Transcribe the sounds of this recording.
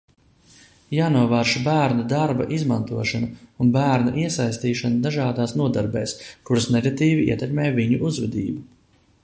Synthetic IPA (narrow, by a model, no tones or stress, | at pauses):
jaːnuɔvaːɾʃbæːɾnud̪aɾba̰ʔizmant̪uɔʃanuunbæːɾnuʔiɛsajst̪iːʃanud̪aʒaːd̪aːsnuɔd̪aɾbɛ̰ːskuɾasnɛɡat̪iːviḭɛt̪ɛkmɛːjviɲuʔuzvɛd̪iːbu